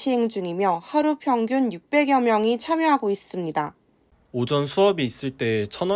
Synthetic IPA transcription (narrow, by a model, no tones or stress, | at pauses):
ieŋd͡ʑuŋimjʌhaɾupʰjʌŋɡjunjuk̚p͈e̞ɡjʌmjʌŋit͡ɕʰamjoɦaɡois͈ɯmɲida | od͡ʑʌnsʰuʌbiːs͈ɯɭt͈e̞et͡ɕʰʌn